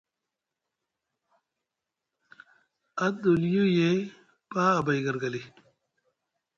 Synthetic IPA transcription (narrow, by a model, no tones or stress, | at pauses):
ɐd̪uljuje | paːbajɡɐɾɡɐli